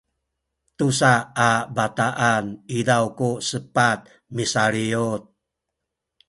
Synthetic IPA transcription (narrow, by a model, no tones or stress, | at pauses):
t̪usaabat̪aʔanidawkusəpat̪̚ | misaɾiut̪̚